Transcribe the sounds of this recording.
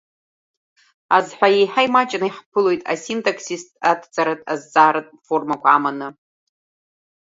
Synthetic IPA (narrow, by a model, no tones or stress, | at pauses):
azħʷᶣajejħaimat͡ʃʼnɨiħpʰɨlo̞jtʼa̰sintʼakʰsistʼatʰt͡sʼaɾɨtʼazt͡sʼaːɾɨtʼfo̞rmakʷʰaːmanɨ